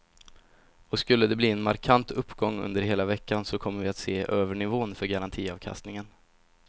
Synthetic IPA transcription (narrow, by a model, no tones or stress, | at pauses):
ɔskɵlːəd̪ɛbliːɛnmaɾkʰant̪ɵpːɡɔŋːɵ̰nd̪əɾɦeːlavɛkːansɔkʰɔmːəɾvɪat̪seːʔøːvəɳɪvoːnfœɾɡaɾant̪ʰiːɑːvkʰa̰st̪nɪŋən